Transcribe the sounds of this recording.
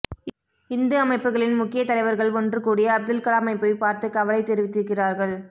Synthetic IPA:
ɪnd̪ɯɐmɐɪpːɯɣɐɭɪnmʊkːɪjɐt̪ɐlɐɪʋɐɾɣɐɭɔndrɯkuːɽɪjɐːb̚d̪ɯlkɐɭamɐɪpːɐɪpaːɾt̪ɯkɐʋɐlɐɪt̪ːɛɾɪʋɪt̪ːɪɾɯkːɪraːɾɣɐɭ

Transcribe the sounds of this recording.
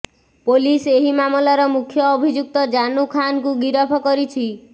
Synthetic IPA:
poliseɦimamɔlaɾɔmukʰjɔːbʱid͡ʒuk̚t̪ɔd͡ʒanukʰankuɡiɾɔpʰɔkɔɾit͡ʃʰi

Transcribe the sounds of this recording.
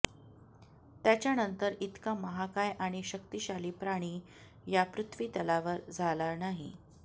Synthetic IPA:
t̪jat͡ɕjanənt̪əɾit̪kaməɦakajʔaɽ̃iɕəkt̪iɕaliːpɾaɽ̃iː | japɾut̪ʰʋiːt̪əlaʋəɾd͡zʱalaɾnaɦḭ

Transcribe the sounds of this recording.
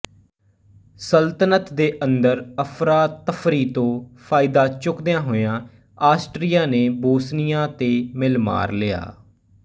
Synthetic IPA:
səlt̪ənət̪d̪eːʔənd̪əɾəpʰɾaːt̪ːəfʰɾiːt̪õːpʰaːɪd̪aːt͡ʃʊkd̪ejãːɦoːjãː | aːsʈɾijaːneːboːsnijãːt̪eːmɪlma̰ːɾlɪa̰ː

